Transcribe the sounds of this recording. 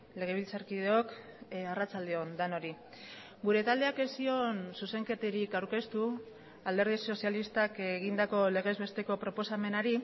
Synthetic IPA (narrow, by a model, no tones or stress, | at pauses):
le̞ɣ̞e̞β̞ilt͡saɾkiðeo̞k | arat͡sald̪eo̞nd̪ano̞ɾi | ɡuɾe̞t̪ald̪e̞akesio̞nsuse̞ŋke̞t̪eɾikawɾke̞st̪u | ald̪e̞ɾð̞iso̞sialist̪akeɣ̞ind̪ako̞le̞ɣe̞zβe̞st̪e̞ko̞pɾo̞po̞same̞naɾi